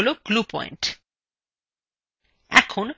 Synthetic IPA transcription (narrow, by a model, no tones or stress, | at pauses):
loɡlupɔ̰j̰ɳʈ | ɛ̰kʰon